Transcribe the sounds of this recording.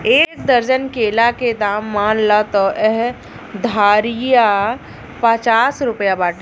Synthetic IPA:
eːk̚d̪əɾd͡ʒənkeːlaked̪aːmːaːnlat̪ɔʔɛɦ | d̪ʱaːɾija | pət͡ʃaːsɾʊpjabaːʈ

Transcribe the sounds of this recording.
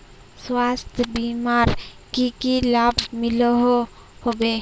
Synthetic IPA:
swaːst̪ʰbimaːɾ | kikilaːbmɪlɦo | hobe

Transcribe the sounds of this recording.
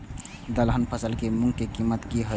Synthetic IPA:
d̪əlɦənpʰəsəlkemuŋkekimːət̪kiɦə

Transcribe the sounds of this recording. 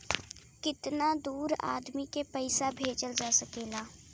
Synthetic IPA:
kɪt̪nad̪uːɾa̰ːd̪mikepəɪsabʱeːd͡ʒəld͡ʒaːsəkeːlaː

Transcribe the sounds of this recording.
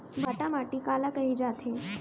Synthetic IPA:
bʱɐʈamaːʈikaːlakɐɦid͡ʒaːt̪ẽ

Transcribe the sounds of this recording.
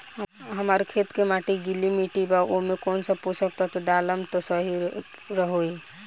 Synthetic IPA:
ɦəmaɾkʰet̪kemaʈiɡilimiʈibaʔomekonsə̃put͡ʃʰək̚t̪at̪ɔɖaləmt̪ɔsəɦi | ɾəɦoj

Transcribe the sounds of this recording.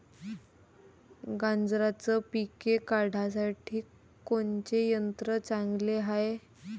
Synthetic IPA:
ɡãnd͡zɾat͡səpikekaɽ̤ʱas̬aʈʰiː | koɲt͡ɕejənt̪ɾət͡sãŋɡleɦae

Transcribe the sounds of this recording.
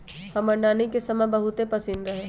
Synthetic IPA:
hɐmɐɳɖaːnikesɐmɛ̃bɐɦʊt̪epɐsɪnɾɐɦẽː

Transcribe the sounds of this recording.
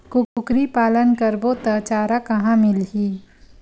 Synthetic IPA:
kʊʊkɾipaːlənkəɾbot̪ɐt͡ʃaːɾakɐɦãmɪlɦiː

